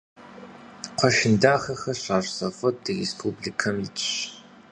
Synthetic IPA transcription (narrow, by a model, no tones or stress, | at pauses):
qʷʰɔʃɪndaːxɐxɐɕaːrsɐfɐdɨrespʰubɮikʰɐmjit͡ʃʼɕ